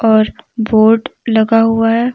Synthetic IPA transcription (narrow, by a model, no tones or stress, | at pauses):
ɔːɾboːɾɖlɐɡaɦuaɦɛ